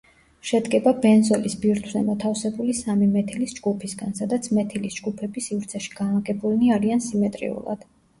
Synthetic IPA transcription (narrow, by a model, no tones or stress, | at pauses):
ʃɛd̪ɡɛbabɛnzɔlisbiɾt̪ʰwzɛmɔt̪ʰafsɛbulisamimɛt̪ʰilisd͡ʒɡupʰisɡansad̪at̪sʰmɛt̪ʰilisd͡ʒɡupʰɛbisivɾt̪sʰɛʃi̥ɡ̥anaɡɛbulniaɾiansimɛt̪ʼɾḭṵlˠa̰d̪̥